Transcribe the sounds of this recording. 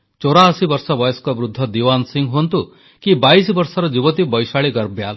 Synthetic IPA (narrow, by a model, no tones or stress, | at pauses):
t͡ʃoɾaːsibɔɾsɔbɔjeskɔbɾud̪ʱːɔd̪iwansiŋɡɦont̪u | kibajsibɔɾsɔɾɔd͡ʒibɔt̪ibɔjsaɭiɡɐɾbjal